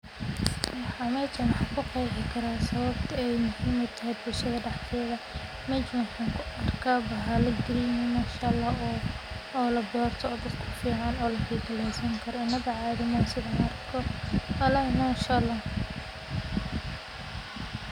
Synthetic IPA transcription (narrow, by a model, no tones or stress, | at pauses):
wɑħɑːmɛːt͡ʃɐwɑħɑkʰʊqɑjħɪkʰɐɾaːsɐβɐb̚t̪ʰɐɛjmʊhiːmɔt̪ʰɐɦɛjbʊlʃɐðɐɖɑħk̪ʰɛːðɐ | mɐt͡ʃħaŋkʰʊɐrkʰabɐɦalɐɡɪɾɪjɪnɐʃɐlɐ | ɔːlɐbɔːrt̪ʰɔːd̪ɐd̪kʰʊfiːʕɑnɔːlɐkʰiːɡɐlɛjsɐŋkʰɐɾɔɪnːɐβɐʕɑːðɪmɐsɪðɐjɐrkʰɔɐlɐɪnaːʃɐlɐ